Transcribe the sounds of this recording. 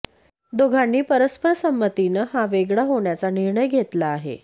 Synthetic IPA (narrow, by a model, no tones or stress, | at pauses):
d̪oɡʱanːiːpəɾəspəɾsəmːət̪inəɦaʋeɡɭaɦoɳjat͡saniɾɳəjɡʱet̪laːɦḛ